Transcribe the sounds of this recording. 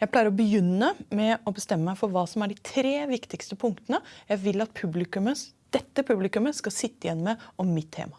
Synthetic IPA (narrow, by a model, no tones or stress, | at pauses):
jæɪpʰlæɪɾəɾɔbəjʏnːəmɛɔbəst̪ɛmːəmæɪfɔɾʋɑːsɔmæɖɪt̪ʰɾeːʋɪkt̪ɪkst̪əpʰʊŋkt̪ənəjæɪʋɪlːɑt̪̚pʰʉblɪkʉmə | d̪̥ɛt̪ːəpʰʉblɪkʉməskɑsɪt̪ːəjɛnːəmɛɔmːɪt̪ʰːḛːmɑ